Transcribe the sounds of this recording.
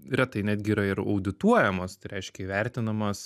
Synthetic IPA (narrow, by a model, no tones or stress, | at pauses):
ɾʲɛt̪ɐɪnʲæːd̪ʲɡʲɪːɾɐɪɾɐ̰ʊd̪ʲɪt̪uɔjɛmoːst̪ɐɪɾʲɛɪʃʲkʲɛiʋʲɛɾʲt̪ʲɪnɐmɐs